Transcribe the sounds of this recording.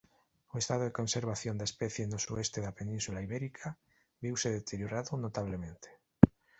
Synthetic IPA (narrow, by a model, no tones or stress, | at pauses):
oest̪aðoðeko̞nseɾβ̞aθjond̪espeθjenosuest̪eðapenĩnsulaiβeɾikʰa | βiwseðet̪ʰeɾjoɾaðonot̪aβlemẽnt̪ʰe̥